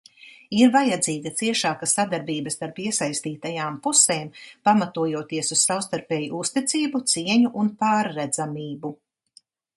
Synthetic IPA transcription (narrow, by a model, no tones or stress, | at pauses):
iɾvajad̪ziːɡɐt̪siɛʃaːkasːad̪aɾbiːbəst̪aɾpiɛsajst̪iːt̪ajaːmpuseːmpamat̪uɔjuɔt̪iɛsussawst̪aɾpɛːjuust̪it̪siːbut̪siɛɲuʔunpaːɾːɛd̪z̥amiːbu